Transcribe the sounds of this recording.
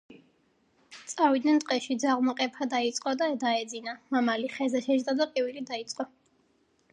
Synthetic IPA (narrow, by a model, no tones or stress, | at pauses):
t̪sʼavid̪nɛnt̪ʼqʼɛʃid̪zaʁmɔqʼɛpʰad̪ait̪sʼqʼɔd̪ad̪aɛd̪zinamamaliχɛzɛʃɛʒd̪ad̪aqʼivilid̪ait̪sʼqʼɔ